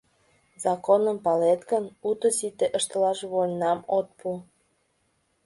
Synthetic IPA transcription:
zɑkonəmpɑlet̪ɡənut̪əsit̪eʔəʃt̪əlɑʃβolʲnɑmot̪̚pʰu

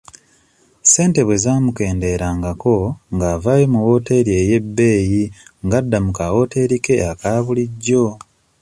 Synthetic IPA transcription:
se̞ːnte̞βwe̞zaːmuke̞ːnde̞ɾaŋɡako̞ŋɡaːvaːjemuwo̞te̞ɾieje̞bːe̞ːjiŋɡadːamukawo̞ːte̞ɾike̞akaːβuliɟːo̞

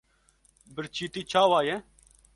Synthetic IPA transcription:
bɪɾt͡ʃʰiːt̪iːt͡ʃʰaːwaːjɛ

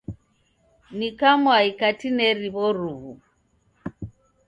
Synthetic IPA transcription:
nikamwaikatinɛɾiβɔɾuβu

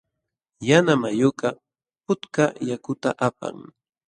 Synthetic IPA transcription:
janamajoqɑ | pʊt̪kajakʊt̪aʔapa̰ŋ

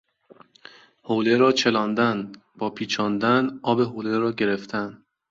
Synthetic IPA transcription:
hoːleɾɒːt͡ʃʰe̞lɒːnd̪æn | b̥ɒːpʰiːt͡ʃʰɒːnd̪ænɒːbe̞ɦoːleɾɒːɟe̞ɾe̞ft̪ʰæn

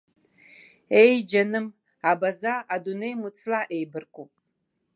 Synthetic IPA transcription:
ejd͡ʒanɨm | abazaadunejmɨt͡sʰʼlaʔejbɨrkʷʼupʼ

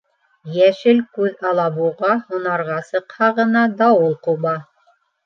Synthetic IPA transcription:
jæʃɘlkʉðɑlˠɑβuʁɑhŏnɑɾʁɑsɤ̆qhɑʁɤ̆nɑd̪ɑwulˠquβɑ

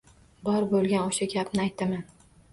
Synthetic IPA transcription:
bɒɾbolˠɡʲanoʃaɡʲapnɪajt̪ʰːɪman

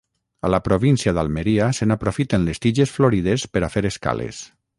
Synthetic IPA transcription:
alapɾoβinsiaðalˠmeɾiasenapɾofit̪enlest̪iʒesfloɾiðespeɾafeɾeska̰lḛs

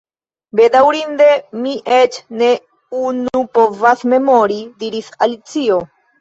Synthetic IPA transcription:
be̞dawɾinde̞miʔet͡ʃne̞ | unupo̞vasme̞mo̞ɾidiɾisalit͡sio̞

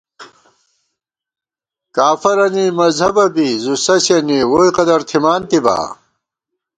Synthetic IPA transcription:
kaːfɐɾɐnimɐzhɐbɐbizusɐɕɐniwoːjqɐd̪ɐɾt̪ʰimaːnt̪iba̰ː

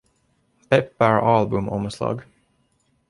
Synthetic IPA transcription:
pɛpːæɹɑːlbɵmɔmslɑ̰ːɡ

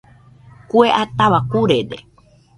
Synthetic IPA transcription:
kueʔat̪aʋakuɾeɾḛ

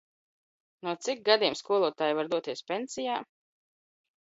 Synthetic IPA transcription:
nuɔt̪sik̚ɡad̪iɛmskuɔlˠuɔt̪aːjvaɾd̪uɔt̪iɛspʲensijaː

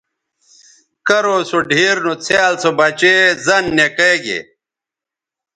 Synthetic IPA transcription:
kɐɾosoɖʱiːɾnot͡sʰjːlt͡sobɐt͡ɕezɐnːekeːɡḛ

